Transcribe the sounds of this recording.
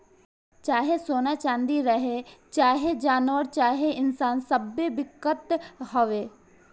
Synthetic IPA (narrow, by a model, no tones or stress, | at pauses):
t͡ʃaːɦesoːnat͡ʃãːnd̪iɾəɦet͡ʃaːɦed͡ʒaːnʋəɾt͡ʃaːɦeɪnsaːnsəbːeʋɪkːət̪ɦoʋeː